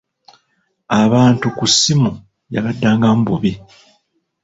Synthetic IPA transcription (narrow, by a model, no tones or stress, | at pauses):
aβaːntukusimu | ja̰βadːaːŋɡambuβi